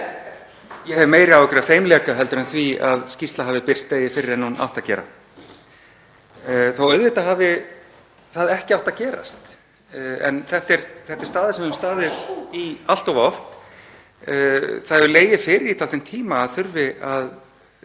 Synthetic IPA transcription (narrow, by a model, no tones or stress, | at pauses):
jɛhɛvɪmeːjɾɪawɛkʏɾafejmlɛːkaɦɛlt̪ʏɾʏnθviaðscist̪laɦaːvɪpɪr̥st̪leːjɪfɪɾɪɾɛnːuna̰wht̪acɛ̰ːɾa̰ | θawœðvɪht̪aɦaːvɪ | θaðɛhcɪawht̪acɛːɾa̰st̪ | ɛ̰nθɛht̪ɛɾθɛht̪ɪɾ̥st̪aːðɪsɛmvɪmst̪aːðɪðial̥t̪ɔvɔft̪ | θaðɛvʏleːjɪfɪɾɪɾit̪ʰalejmt̪ʰiːmaːðθʏɾvɪað